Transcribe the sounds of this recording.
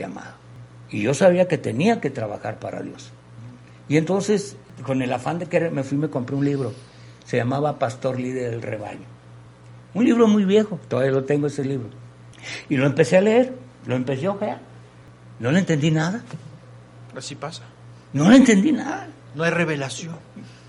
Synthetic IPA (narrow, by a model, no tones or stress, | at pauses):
a̰ma̰ðo | ḭʝo̞saβiake̞t̪e̞niake̞t̪ɾaβa̰xaɾpaɾa̰ðjo̞̰s | ie̞nt̪o̞nse̞s | ko̞ne̞lafand̪ekeɾeme̞fwime̞ko̞mpɾiunliβɾo̞ | se̞ʝamaβapast̪o̞ɾlið̞eɾðelrḛβa̰ʎo | unliβɾo̞mujβje̞xo̞t̪oðaβialot̪e̞ŋɡoeseliβɾo | ilo̞empe̞se̞aleeɾ | lo̞empe̞s̬joxea | no̞lent̪e̞nd̪inaða | asipasḁ | no̞leent̪e̞nd̪inaða | noajreβelasjon